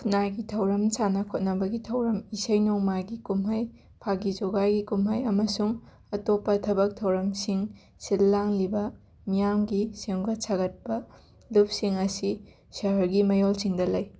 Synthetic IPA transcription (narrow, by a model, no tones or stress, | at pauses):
najɡitʰɐwɾɐmt͡ʃanɐkʰot̚nɐbɐɡitʰɐwɾɐmisɐjnoŋmaɡikumɦɐj | pʰaɡid͡ʒoɡajɡikumɦɐjɐmɐsuŋ | ɐtopːɐtʰɐbɐk̚tʰɐwɾɐmsiŋ | silːaŋlibɐ | mijamɡiseŋɡɐt͡ʃʰaɡɐt̚pɐ | lup̚siŋɐsi | sɐɦɐɾɡimɐjolsiŋdɐlɐj